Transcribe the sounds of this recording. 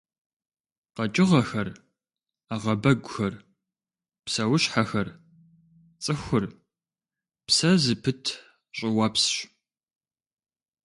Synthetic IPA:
qɐt͡ʃʼɪʁɐxɐr | aʁɐbɐɡʷʊxɐr | psɐwʊɕħaxɐr | t͡sʼɨxʷʊr | psɐzɨpʰɨtʰ | ɕʼɪwɐpsɕ

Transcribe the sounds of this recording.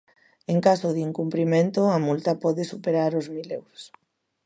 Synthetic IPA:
eŋkasoðiːŋkumpɾimẽnt̪oamult̪ɐpɔðesupeɾaɾozmilewɾos

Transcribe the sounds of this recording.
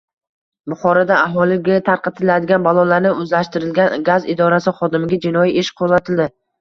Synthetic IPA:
bʊχɒɾad̪aaɦɒlˠɪɡʲat̪ʰaɾqɑt̪ʰɪlad̪ɪɡʲanbalˠɒlaɾnɪɵzlaʃt̪ɪɾɪlɡʲanɡazɪd̪ɒɾasɪχɒd̪ɪmɪɡʲad͡ʒɪnɒjiʔeʃqʰozat̪ʰɪld̪ɪ

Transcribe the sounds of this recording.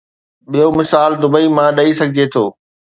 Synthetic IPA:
ɓijomɪsaːld̪ʊbəimãːɗɐisɐɡʱɪd͡ʑet̪ʰoː

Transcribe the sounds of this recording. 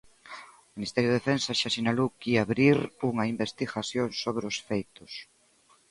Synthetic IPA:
ʊminist̪ɛɾjʊðefẽnsaʃasinalowkiaβɾiɾuŋɐimbest̪iɣasjoŋsoβɾeosfejt̪ʊs

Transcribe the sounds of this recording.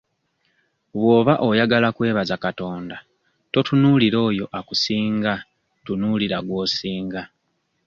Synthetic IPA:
βwo̞ːβaʔo̞jaɡalakwe̞ːβazakato̞ːnda | to̞tunuːliɾo̞ːjo̞ʔakusiːŋɡa | tunuliɾaɡwo̞ːsiːŋɡa

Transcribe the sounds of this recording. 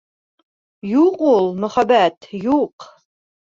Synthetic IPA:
juqulˠmɵ̆χæbæt̪juq

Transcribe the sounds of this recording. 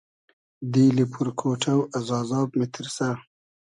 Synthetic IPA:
d̪ilipʰuɾkʰoːʈʰawazɑːzɑːbmɪt̪ʰɪɾsa

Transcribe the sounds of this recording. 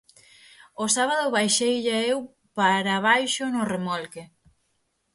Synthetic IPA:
ʊsaβ̞aðʊβajʃejʎaew | paɾaβajʃʊnʊremɔlke

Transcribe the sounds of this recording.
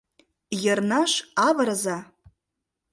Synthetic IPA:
jarnaʂavaɾaza

